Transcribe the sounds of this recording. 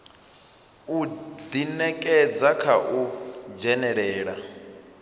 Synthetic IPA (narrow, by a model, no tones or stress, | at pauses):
ud̪inɛkʼɛd͡zakʰaʔud͡ʒɛnɛɺɛːɺa